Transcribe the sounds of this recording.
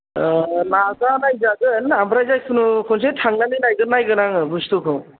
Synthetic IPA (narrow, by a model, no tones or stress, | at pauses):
naɡanajzaɡɯanambɾajzajsʰɯnukʰɔns̬etʰaŋnanɯnajɡɯnajɡɯnaŋɯbustukʰɯwŋ